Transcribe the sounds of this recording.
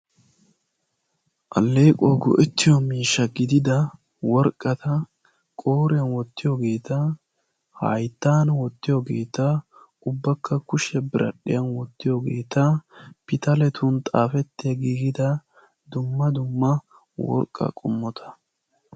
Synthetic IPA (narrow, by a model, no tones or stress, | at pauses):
ʔɐ̰lːeːkʼoɡɔ̰ʔɛt̪ːɪjɔmiːʃːɐɡɪd̪ɪd̪ɐ | wɔɾkʼːɐt̪ɐ | kʼo̞ːɾɪjɐnwɔt̪ːɪjoɡe̞ːt̪ɐ | hɐ̰jt̪ːaːnwɔt̪ːɪjoɡe̞ːt̪ɐ | ʊbːɐkːɐkʊʃɛbɪɾʔɐ̰ɗɪjɐnwɔt̪ːɪjoɡe̞ːt̪ɐpɪt̪ɐlɛt̪ʰʊnt̪ʼaːfɛt̪ːɪjɐɡiːɡɪd̪ɐ | d̪ʊmːɐd̪ʊmːɐ | wɔ̰ɾkʼːɐ̰kʼʊmːɔt̪ʰɐ̥